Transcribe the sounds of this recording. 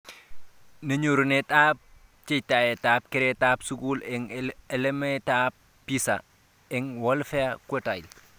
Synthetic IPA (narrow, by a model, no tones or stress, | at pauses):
nɐɲuɾunetap̚t͡ʃitajetaːp̚keɾetapsukuleŋelemetap̚ːisa̰ | eŋwolfeakʷotail